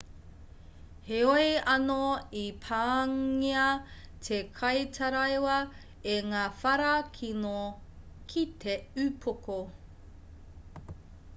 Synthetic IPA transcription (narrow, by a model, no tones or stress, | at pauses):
heoeɐnoipʰaːŋiɐ | tʰekʰɐjtʰɐɾɐjwɐ | eŋaːfɐɾɐkʰino | kʰitʰeʉpʰoko